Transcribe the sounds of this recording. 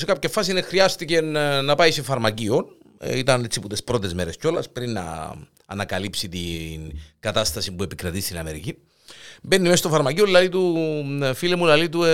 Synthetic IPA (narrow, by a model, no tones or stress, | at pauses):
sekɐpçefːɐs̬inexɾiɐst̪icenɐpɐisefɐɾmɐcio̞n̰ | it̪ɐnesiput̪espɾo̞t̪e̞zme̞ɾe̞sco̞lɐspɾinːɐ̰ | ɐ̰nɐkɐlipsit̪inɡ̥ɐt̪ɐst̪ɐsipue̞pikɾɐt̪ist̪inɐme̞ɾicin | be̞nːimest̪ofɐɾmɐcioðilɐðit̪u | filemulɐlit̪u